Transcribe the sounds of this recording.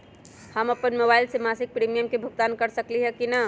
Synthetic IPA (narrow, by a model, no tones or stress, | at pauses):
həməpənmobailsemasik̚pɾimijəmkebʱuɡ̚t̪ankəɾsəkliɦɛkina